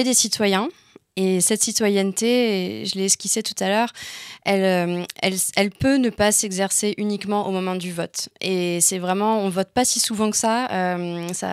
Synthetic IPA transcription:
ed̪esit̪wajɛ̃ | esɛt̪sit̪wajɛnt̪eʒəleːskʲisɛt̪ut̪alœʁɛløɛ̰lɛlpønəpasɛɡzɛʁseʔynikmɑ̃ʔomɔmɑ̃d̪yvɔt̪esɛvʁɛmɑ̃ɔ̃nəvɔt̪̚pasisuvɑ̃kə̥saømsa̰

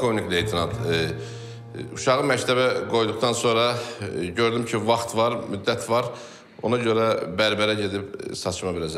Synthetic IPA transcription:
kʰonikle̞jt̪ʰinɑt̪ | uʃɑʁɯmæct̪ʰæβæɡo̞jd̪uχt̪ʰɑnso̞nɾɑɟø̞ɾd̪ymcʰivɑχt̪vɑɾmyd̪ːæt̪ʰvɑɾ | o̞̰nɑɟø̞ɾæbæɾbæɾæɟe̞d̪ipsɑt͡ʃʰmɑbilæd͡ʒæ

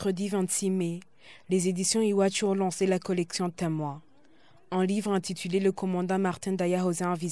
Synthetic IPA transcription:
kχəd̪ivɛ̃t̪sime | lezed̪isjɔ̃iwat͡ʃ̪uɔ̃lɑ̃selakɔlɛksjɔ̃t̪ɛmwa | ɛ̃livʁɛ̃t̪it̪ʰyleləkɔmɑ̃d̪ɑ̃maʁt̪ɛ̃d̪ajaɦozɛ̃ɑ̃vi

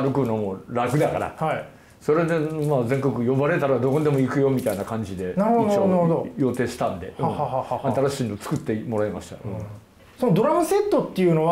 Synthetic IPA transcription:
ɾɯ̟kɯ̟nomo̞ɾakɯ̟d̪aka̰ɾa̰hai | so̞ɾe̞d̪emaːzẽ̞ŋko̞kɯ̟jo̞baɾe̞t̪aɾad̪o̞kod̪e̞mo̞ikɯ̟jo̞mʲit̪ainakãɲ̟d͡ʑid̪e̞naɾhoonaɾhod̪ojo̞t̪e̞ːɕi̥t̪ãnd̪e̞̰hhhaat̪aɾaɕiːnot͡sɨ̥kɯ̟t̪ːe̞mo̞ɾaemaɕi̥t̪a̰ɯ̃ | sonod̪o̞ɾamɯ̟se̞t̪ːot̪ːejɯ̟no̞β

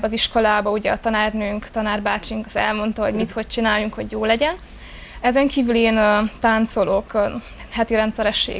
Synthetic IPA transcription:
bɒziʃko̞laːbɒuɟɛɒt̪ɒnaːrnøːŋkt̪ɒnaːrbaːt͡ʃiŋkɒzɛ̰lmo̞nt̪ɒɦo̞̰ɟmit̪ho̞c̚t͡ʃinaːjuŋkhoɟjoːlɛɟɛn | ɛzɛŋkiːvyleːnt̪aːnt̪so̞lok | hɛt̪iɾɛnt̪sɛɾɛʃːḛː

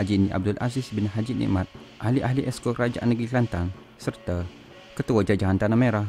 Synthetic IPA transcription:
ad͡ʒiniʔa̰b̚dʊlʔa̰zisbɪnɦad͡ʒinʔḭʔmat̪̚ | ʔahliʔaɦliʔɛskokɾad͡ʒaʔanːəɡiklant̪aŋ | sərt̪a | kət̪uad͡ʒad͡ʒaɦant̪anameɾah

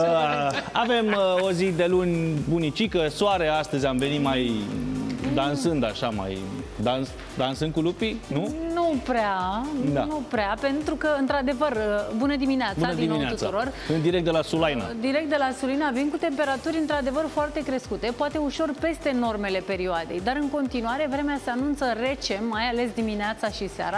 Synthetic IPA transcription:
əa̰ve̞mo̞zid̪e̞lunʲbunit͡ʃikəsoaɾe̞ast̪əzʲamve̞nimaj | d̪ansɨnd̪aʃama̰jd̪ans | d̪ansɨn̚kulupinunupɾeaad̪anupɾeape̞nt̪ɾukəɨnt̪ɾad̪e̞vərəbunəd̪imineat̪buanəd̪imineat̪usuɾo̞r | ɨnd̪iɾek̚t̪̚d̪elasulajna̰d̪iɾek̚t̪d̪e̞lasulinavinkut̪e̞mpe̞ɾat̪uɾʲɨnt̪ɾad̪e̞vərfoart̪e̞kɾe̞skut̪e̞poat̪e̞uʃo̞rpe̞st̪e̞no̞rme̞le̞pe̞ɾioad̪e̞̰jd̪aɾɨŋko̞nt̪inuaɾe̞vɾe̞mease̞anunt̪səre̞t͡ʃe̞mːajale̞s̬d̪imineat̪saʃisa̰ɾa

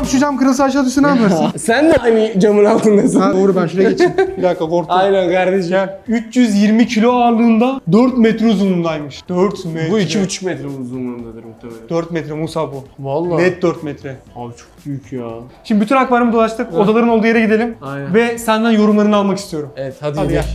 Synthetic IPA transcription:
ʃud͡ʒamkɯɾɯlˠsaʃad̪ysynajpʰaɾsɯnsænd̪ɛajnɪd͡ʒamɯnalˠt̪ʰɯnd̪asaoɾubænʃulʲɛɟet͡ʃʰimbid̪akakʰoɾt̪ajnænkʰaɾd̪eʃiyt͡ʃjyzjiɾmicʰilʲoalˠd̪ɯːnd̪ad̪øɾt̪mɛt̪ɾɛuzunund̪aːjmɯʃd̪øɾt̪mɛbuicʰibut͡ʃʰu̥kmɛt̪ɾɛuzunlˠaɾnd̪ad̪ɯɾʰd̪øɾt̪mɛt̪ɾɛmusabuvalˠːabɛt̪̚d̪øɾt̪mɛt̪ʰɾɛat͡ʃʰok̚byjycʰjaʃimd̪ibyt̪ynakbaɾɯmɯd̪olˠaʃt̪ɯkod̪alˠaɾɯnolˠd̪uje̞ɾɛɟid̪eimaj̪vɛsænd̪ænjo̞ɾumlˠaɾɯnɯalˠmakist̪ʰijo̞ɾumɛvɛt̪had̪ia

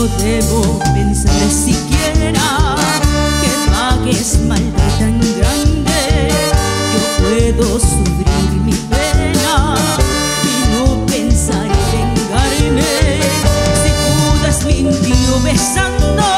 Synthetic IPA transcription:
oðeβopensaɾesikjeɾa | kepaɣesmalt̪et̪aŋɡɾand̪e | kepweðosufɾiɾmiβeɾa | inopensaɾeβeŋɡaɾme | sipuðasmint̪iɾoβesand̪o

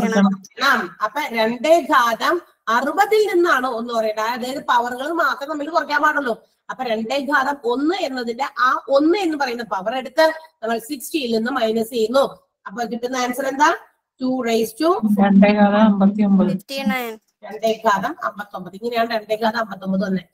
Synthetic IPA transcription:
ɐɐɳaːmɐpːoːɾe̞ɳɖeɡʱaːðɐm | ɐrubɐðilninːaːɳɨonːɨpɐrɐjuɳɖaɐðaːjɐðɨpɐʋɐrɣɐɭilmaːt̪rɐmnɐmːikːlkurɐkʲːaːmaːʈːuɭːoː | ɐpːoːɾe̞ɳɖeɡʱaːðɐmo̞nːɨe̞nːɐðindeʔaːʔo̞nːɨe̞nːɨpɐrɐjunːɐðpɐʋɐre̞ɽut̪ːɨnɐmːɐɭsiksʈijilninːɨmɐjnɐsejunːu | ɐpːoːkiʈːunːɐaːnsɐɾend̪aː | tuːrɐjstuɾeɳɖeɡaːðɐmɐmbɐt̪ːiombɐðu | ɾe̞ɳɖeɡʱaːðɐmɐ̰mbɐt̪ːo̞mbɐðiŋːɐnejaːɳɨɾe̞ɳɖeɡʱaːðɐmɐmbɐt̪ːo̞mbɐðɨonːe

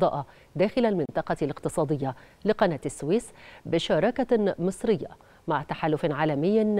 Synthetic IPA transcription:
d̪ˤɑ̰ːʔɑ | d̪aːxɪlalmɪnt̪ˤɑqɑlɪqt̪ɨsˤɑːd̪ˤɪjːa | lɪqɑnaːt̪ɪsːwiːsbɪʃɑːɾˤɑkamɨsˤɾɪjːa̰ | maʕt̪aħalːʊfʕaːlamɪjː

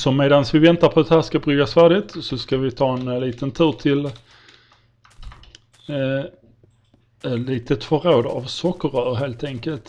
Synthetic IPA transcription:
sɔmeːd̪ansvɪvɛnt̪apʰɔd̪ɛhæːʂkabɾʏɡasfæːɖɪt̪sɔskavɪt̪ʰɑːɛnliːt̪ənt̪ʰʉ̟ːɾt̪ʰɪl | ɛt̪liːt̪ət̪fœɾoːd̪a̰vsɔkːəɾœːɾɦeːlt̪ʰɛŋkəlt̪

